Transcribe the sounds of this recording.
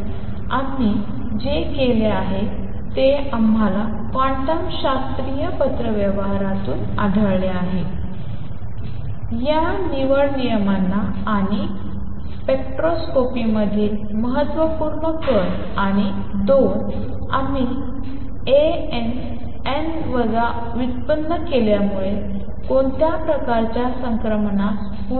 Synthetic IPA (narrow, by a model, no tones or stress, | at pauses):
am̤i | d͡ʑekeleaɦe | t̪eamɦala | kãɳʈəmɕast̪ɾijəpət̪ɾəʋjəʋɦaɾat̪uːn | a̰ɖʱəleaɦe | ja | niʋəɽnijəmanːaː | ɽ̃i | pekʈɾoskopiməd̪ʱiːl | məɦət̪ːʋəpuɾɳəkəɽ | aɽ̃i | d̪on | ami | e | en | en | ʋəɡa | ʋit̪pənːəkeljamuɭe | koɳt̪japɾəkaɾt͡ɕjasəŋkɾəmna | u